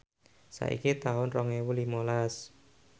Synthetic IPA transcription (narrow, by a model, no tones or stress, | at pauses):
sa̰ʔḭkit̪aʊnrɔŋewulimolas